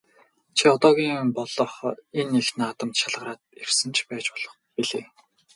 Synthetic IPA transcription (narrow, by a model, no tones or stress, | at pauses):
t͡ɕʰiɔt̪ɔːɣʲiːmpɔɮɞχenexnaːt̪ə̆mt̪ʃaɮʁə̆ɾaːt̪̚ersɘ̆nt͡ɕʰpæːt͡ɕpɔɮ̥ɞ̆χ | piɮeː